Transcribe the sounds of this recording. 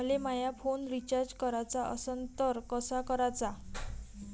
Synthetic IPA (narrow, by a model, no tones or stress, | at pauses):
lemajapʰonɾit͡ɕaɾd͡ʑkəɾat͡saʔəsənt̪əɾkɔsakɔɾat͡sa